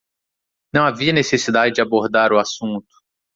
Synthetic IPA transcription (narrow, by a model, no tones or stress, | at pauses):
nɐ̃w̃aviɐnesesid̪ad͡ʒɪd͡ʒɪaboɾd̪aɾʊasũnt̪ʊ̥